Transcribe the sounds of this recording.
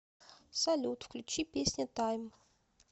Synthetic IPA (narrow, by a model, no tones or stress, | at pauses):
sɐlʲut̪fklʲʉt͡ɕipʲesʲnʲət̪ajm